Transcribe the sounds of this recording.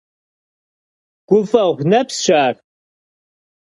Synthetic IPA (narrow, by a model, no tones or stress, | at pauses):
ɡ̥ʷʊfɐʁʷnɐpsɕaːr